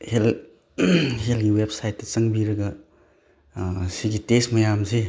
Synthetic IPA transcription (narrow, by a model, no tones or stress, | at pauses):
hel | helɡiwepsajtːɐt͡sɐŋbiɾɐɡɐ | siɡitesmɐjamsi